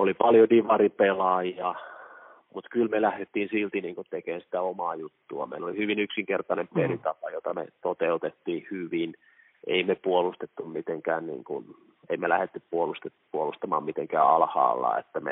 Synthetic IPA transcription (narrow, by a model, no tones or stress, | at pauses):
olipɑljodiʋɑripelɑjɑ | mut̪kylmelæhdet̪ːiːnsilt̪iniːŋkut̪ekeːnsi̥t̪æomɑːjut̪ːuɑ̰mḛilolihyʋinyksiŋkert̪ɑnempelit̪ɑpɑjot̪ɑmḛt̪ot̪eut̪et̪ːiːhyʋin | ʔeimepuolust̪et̪ːummit̪eŋkæːnnḭːŋkṵn | eimelæhet̪ːyppuolust̪epuolust̪ɑmɑ̰ːmmit̪eŋkæ̰ːɑ̰lhɑ̰ːlːɑ̰ḛt̪ːæmḛ